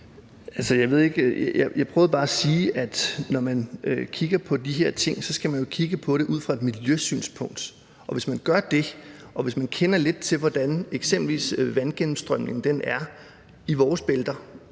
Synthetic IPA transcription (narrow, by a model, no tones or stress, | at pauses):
ælsɒjɑ̈ɪʋe̝ð̞ˠe̝ɡ̥jajɑ̈ɪpʰʁœːʊðˠb̥ɑ̈ːæsiːæd̥nɒmænkʰiɡ̥ɐpʰɒ̽d̥iɦeɐ̰t͡sʰe̝ŋ̰sɒ̽sɡ̥æmænjo̝kʰiɡ̥əpʰɒ̽ɾ̥e̝ʔuð̞̰ˠfʁɑ̈e̝d̥miljøsy̰ːnspʰɔ̽ŋ̰d̥ | ʔɒ̽ʋe̝smænɡ̥ɶɐd̥e̝ʔɒ̽ʋe̝smænkʰenɐle̝d̥̚t͡sʰe̝lʋɒd̥æneɡ̥sem̰b̥l̩ʋḭːsʋænɡ̥enm̩sd̥ʁœm̰ne̝ŋd̥enæɐ | iʋɒːsb̥eld̥ɐ